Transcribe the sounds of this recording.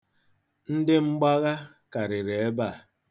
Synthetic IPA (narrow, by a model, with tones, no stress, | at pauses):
n̩˦dɪ˦ŋ͡m̩˦ɡ͡ba˦ɣa˦ | ka˨ɾɪ˨ɾe˨e˦ba˦˨